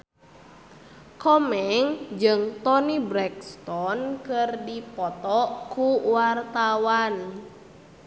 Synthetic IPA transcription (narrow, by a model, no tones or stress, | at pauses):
kɔmɛŋd͡ʒɨŋt̪ɔnibɾɛk̚st̪ɔnkərdipɔt̪ɔʔkuwart̪awan